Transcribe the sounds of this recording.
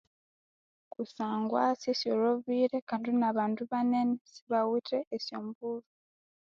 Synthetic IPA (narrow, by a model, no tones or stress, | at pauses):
kusaːŋɡwasjesjoɾoβiɾekaːndinaβaːnduβanenesi̥βawuteːsjoːmbuβu